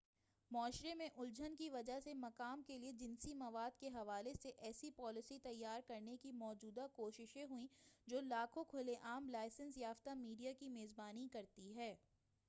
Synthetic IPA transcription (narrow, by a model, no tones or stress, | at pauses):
mɔːʃɾemẽʔʊld͡ʒʱənkiʋɐd͡ʒaɦsemɐkaːmkelied͡ʒɪnsimɐʋaːd̪keɦɐʋaːleseʔɛːsipɔːlɪsit̪ɐjːaːɾkɐɾnekimɔːd͡ʒuːd̪akoːʃɪʃẽɦuĩd͡ʒoːlaːkʰokʰʊleʔaːmlaːɪsə̃nsjaːft̪amiːɖijakimeːzbaːnikɐɾt̪iɦɛː